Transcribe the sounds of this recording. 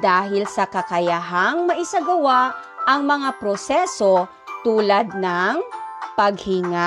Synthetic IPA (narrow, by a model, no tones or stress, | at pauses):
d̪aːɦɪlsɐkɐkɐjaɦaŋmɐʔɪsɐɡɐwaʔʔɐŋmɐŋapɾosɛso̞ | t̪uːlad̪̚nɐŋpɐɡ̚hɪŋa